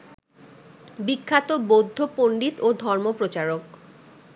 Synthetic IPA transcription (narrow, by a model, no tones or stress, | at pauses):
bikʰːat̪obod̪ʱːopoɳɖit̪od̪ʱɔɾmopɾot͡ɕaɾok